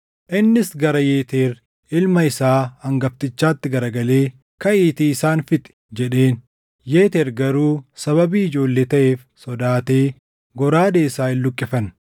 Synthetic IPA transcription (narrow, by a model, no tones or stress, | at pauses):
ʔɪnːɪsɡɐɾɐje̞ːt̪eːɾ | ɪlmɐɪsaːɐŋɡɐbt̪ɪt͡ʃːaːt̪ːɪɡɐɾɐɡɐle̞ː | kɐiːt̪iːɪsaːnfɪt̪ʼɪ̥d͡ʒɛᶑe̞ːn | jeːt̪eːɾɡɐɾuːsɐβɐbiːɪd͡ʒo̞ːlːeːt̪ɐʔe̞ːf | sɔd̪aːt̪e̞ː | ɡɔɾaːd̪eːsaːɪlːʊkʼːɪfɐn